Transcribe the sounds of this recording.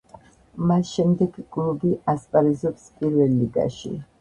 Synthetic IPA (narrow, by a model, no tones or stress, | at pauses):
masʃɛmd̪ɛɡkʼlubiʔaspʼaɾizɔpspʼiɾvɛlːiɡa̰ʃḭ